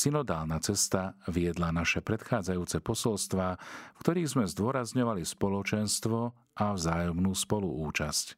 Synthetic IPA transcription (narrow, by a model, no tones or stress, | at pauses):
sinɔd̪aːlnat͡sɛst̪aʋiɛd̪lanaʃɛpɾɛt̪xaːd͡zajuːt͡sɛpɔsɔlst̪ʋaːfkt̪ɔɾiːɣzmɛzd̪ʊɔɾazɲɔʋalispɔlɔt͡ʃɛnst̪ʋɔ | ʔavzaːjɔmnuːspɔluuːt͡ʃasc